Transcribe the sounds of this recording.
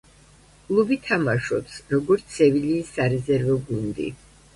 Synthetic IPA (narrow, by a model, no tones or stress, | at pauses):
kʼlˠubit̪ʰamaʃɔpsɾɔɡɔɾt̪sʰɛviliːsːaɾɛzɛɾvɔɡund̪ḭ